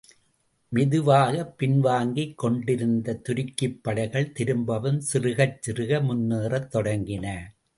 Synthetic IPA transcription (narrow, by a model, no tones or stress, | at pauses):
mɪðɯʋaːɣɐpːɪnʋaːŋɡikːɔɳɖɪɾɯnd̪ɐt̪ʊɾɪkːɪpːɐɽɐɪɣɐɭt̪ɪɾɯmbɐʋɐmsɪrɯɣɐt͡ʃt͡ʃːɪrɯɣɐmʊnːeːrɐt̪ːɔɽɐŋɡɪnɐ